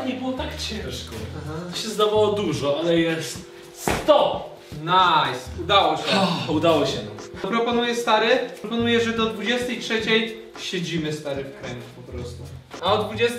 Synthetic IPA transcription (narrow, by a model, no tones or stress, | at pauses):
ɲɛbɨwɔt̪akt͡ɕɛ̃ʂkɔaɦat̪ɔɕɛzd̪avawɔd̪uʐɔalɛjɛɛ | st̪ɔ | najsud̪awɔɕɛɔud̪awɔɕɛnapɾɔpɔnujɛst̪aɾɘpɔnujɛʐɛd̪ɔd̪vud͡ʑɛst̪ɛjtʂɛt͡ɕɛj | ɕed͡ʑimɘst̪aɾɘfkɾɛɲɡupɔpɾɔst̪uaɔd̪vud͡ʑɛst̪